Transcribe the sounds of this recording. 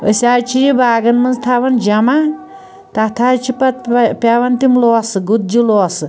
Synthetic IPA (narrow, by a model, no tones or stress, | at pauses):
ə̰sʲaɾt͡ʃʰijibaːɡɐnmɐnst̪ʰaʋɐnd͡ʒɐma | t̪at̪ʰat͡ʃʰipɐt̪̚pʲjaʋɐnt̪imlɔːsɨɡut̪̚d͡ʒilɔːsɨ